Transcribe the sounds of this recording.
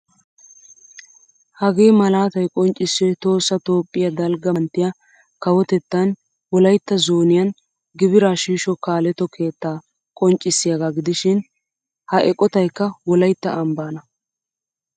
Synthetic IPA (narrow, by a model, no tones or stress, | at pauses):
hɐɡeːmɐlaːt̪ɐjkʼɔnt͡ʃʼːɪsːɛt̪o̞ːsːɐt̪o̞ːpʼːɪjɐd̪ɐlɡɐnt̪ːɪja | kɐwɔt̪ɛt̪ːɐn | wɔlɐjt̪ːɐzoːnɪjɐn | ɡɪbɪɾaːʃiːʃɔkaːlɛt̪ːɔkʰe̞ːt̪ːaː | kʼɔnt͡ʃʼːɪsːɪjɐɡaɡɪd̪ɪʃɪn | hɐʔɛkʼɔt̪ɐjkːɐwɔlɐjt̪ːɐʔɐmbaːnɐ